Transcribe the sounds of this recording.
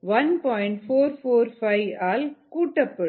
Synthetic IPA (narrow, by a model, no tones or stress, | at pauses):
ʋɐnpɔːjɪɳʈfoːɾfoːɾfɐɪaːlkuːʈːɐpːɯ